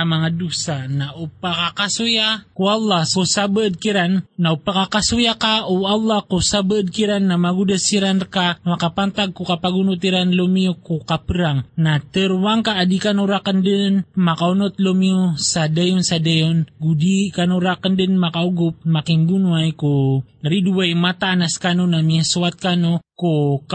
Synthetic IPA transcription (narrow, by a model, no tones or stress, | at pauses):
amaŋadusanaʔupakakasujakualːasusabəəd̪̚kiɾanːaupakakasujakaualːakusabəəd̪̚kiɾanːamaɡudəsiɾankamakapant̪aɡ̚kukapaɡunut̪iɾanlomiukukapəɾaŋnat̪əɾwaŋkaʔːdikanoɾakəndənmakaunot̪lomiusadajonsadajonɡudikanuɾakəndənmakauɡʊp̚makiŋbunuajkuɾiduwajmat̪anaskanonamiasuat̪̚kanoku